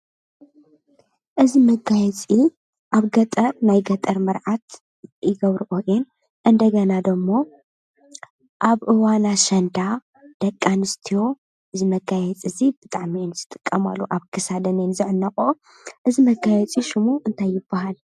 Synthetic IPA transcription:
ʔɨzimɐɡajɛt͡sʼi | ʔaβɡɐt̪ʼɐɾnajɡɐt̪ʼɐɾmɨɾʕat̪ | jɪɡɐβɾɨʔoʔen | ʔɨnd̪ɐɡɐnad̪ɐmːo̞ | ʔaβʔɨwanaʃɐnd̪a | d̪̥ɐkʼːanɨst̪ʰijo̞ | ʔɨzimɐɡajɛt͡sʼɨzib̥ɨt̪ʼaʕminzɨt̪ʼɨkʼːɐma̰lːuʔaβkʰɨsad̪ɐnenzɨʕnːɐxʼo | ʔɨzimɐɡajɛt͡sʼiʃɨmuʔɨnt̪ʰajːɪbːaɦal

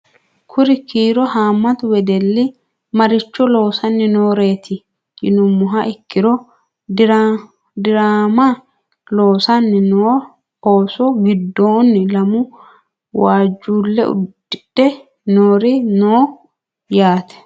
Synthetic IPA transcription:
kʰʊɾɪkiːɾɔhaːmːɐt̪wɛd̪ɛlːɪ | mɐɾɪt͡ʃːɔlo̞ːsɐnːɪnoːɾe̞ːt̪ɪ | d͡ʒɪnʊmːʊɦɐʔɪkːɪɾɔ | ɾa | d̪ɪɾaːma | lo̞ːsɐnːɪnoː | oːsɔɡɪd̪ːo̞ːnːɪlɐmʊ | waːd͡ʒːuːlːɛ̰ʊ̰dɪᶑɛ | noːɾɪnoː | jaːt̪ɛ̥

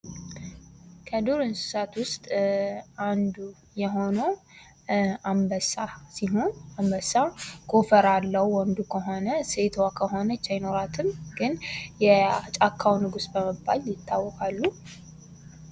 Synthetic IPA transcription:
kʰəd̪uɾɨnsɨ̥sat̪wʊst̪ʼ | and̪u | jɛɦo̞nəw | ambəsasiɦo̞nambəsaɡʰofəɾalːəhwɔnd̪ukʰəɦo̞nəset̪ʰwakʰəɦo̞nət͡ʃːajɪno̞ɾat̪ʰɨmɡɨnjɛat͡ʃʼakʰːawnɨɡusbəməbːaljɪt̪ːawːɔkʼalːu

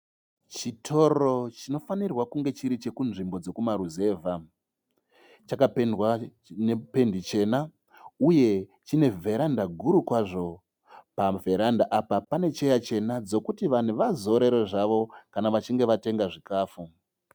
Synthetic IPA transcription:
t͡ʃitʰo̞ro̞t͡ʃino̞fanirwakuŋɡe̞t͡ʃiɾit͡ʃe̞kunʐimbo̞d͡zo̞kumaɾuze̞ːvʱa | t͡ʃakapendwa | nepe̞ndit͡ʃe̞ːna | uje̞ | t͡ʃine̞vʱe̞ɾandaɡʱuɾukwaʐo̞ | pavʱe̞ɾandaʔapapane̞t͡ʃe̞jat͡ʃe̞nad͡zo̞kutiʋan̤uʋazo̞ɾe̞ɾo̞ʐaʋo̞kanaʋat͡ʃiŋɡe̞ʋate̞ŋɡaʐikaːfu

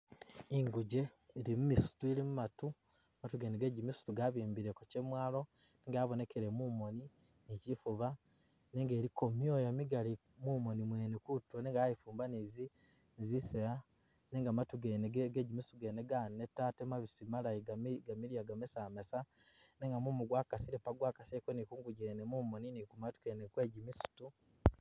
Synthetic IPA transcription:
iŋɡuɟe̞ | iɾimumisu̥tuiɾimumatu | amatuɡeneɡeɟimisu̥tuɡaβiːmbiɾekocemwaːlo̞ | neŋɡaːβone̞kʰeɾe̞mumo̞ni | nicifuβa | neŋɡe̞ːɾiko̞mjojomiɡali | mumo̞nimwe̞ːnekutwoneŋɡajifuːmbanizi | nzisea | neŋɡamatuɡeneɡeɡeɟimisuɡeneɡanetatemaβisimalajiɡaɡamiɾjaɡamesamesa | neŋɡamumuɡwakasiɾepaɡwaːkasekonikuːŋɡuɟenemuːmo̞ninikumatu̥kenekwe̞ːɟimisu̥tu

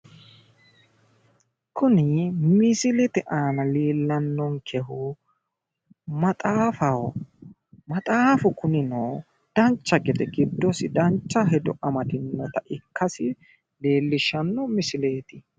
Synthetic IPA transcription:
kʊnɪmɪsɪlɛt̪ɛʔaːnɐliːlːɐnːɔŋkʰɛhʊ | mɐt̪ʼaːfɐw | mɐt̪ʼaːfʊkʊnɪnɔ | d̪̥ɐnt͡ʃːɐɡɛd̪ɛɡɪd̪ːɔsɪd̪ɐnt͡ʃːɐɦɛd̪ɔ̰ʔɐmɐd̪ɪnːɔt̪ɐʔɪkːɐsɪ | le̞ːlːɪʃːɐnːɔmɪsɪle̞ːt̪ɪ

